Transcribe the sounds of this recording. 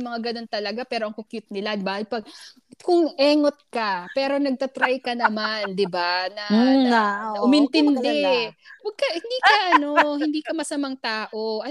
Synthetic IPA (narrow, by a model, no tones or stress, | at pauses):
mɐŋaɡɐno̞nt̪ɐlɐɡapɛːɾo̞ʔɐŋkokjʊt̪̚nɪlabaːhɪlpɐɡ̚ | kʊŋʔɛːŋot̪̚kapɛːɾo̞nɐɡ̚t̪ɐt̪ɾajkɐnɐmand̪ɪbanɐ | ʔʊmɪnt̪ɪnd̪ɛwɐɡ̚kɐhɪnd̪iːkɐʔɐno̞hɪnd̪iːkɐmɐsɐmaŋt̪aːʔo̞ʔɐ